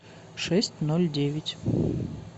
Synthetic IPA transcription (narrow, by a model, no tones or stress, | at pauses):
ʂɛsʲtʲnolʲdʲevʲɪtʲ